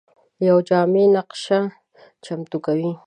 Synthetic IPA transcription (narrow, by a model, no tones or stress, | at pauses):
jawd͡ʒaːmenɑqʃa | t͡ʃamt̪ʊkawi